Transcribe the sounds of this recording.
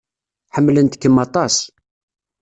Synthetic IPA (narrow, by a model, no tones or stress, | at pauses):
ħəmːlənt̪ə̥kːəmɑt̪ˤɑs